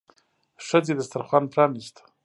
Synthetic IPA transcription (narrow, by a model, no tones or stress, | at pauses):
ʂəd͡zed̪əst̪aɾχwanpʰɾɑnist̪